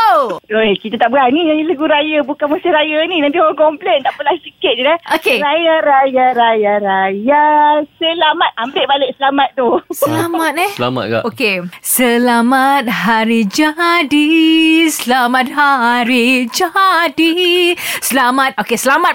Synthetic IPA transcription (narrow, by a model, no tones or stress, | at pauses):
t̪oekit̪at̪aʔbəanid͡ʒailəɡuɾajabukanməsiɾajaninant̪iɔaŋkɔmplɛnt̪aʔpəlahsikɪt̪̚d͡ʒuɡaʔokeɾajaɾajaɾajaɾajasəlamat̪̚ʔambɪʔbalɪk̚səlamat̪̚d̪osəlamat̪̚ɛəla̰ma̰t̪̚ɡa̰ʔokesəlamat̪̚ɦaɾid͡ʒadisəlamat̪̚haɾid͡ʒadi | səlamat̪̚okesəlamat̪̚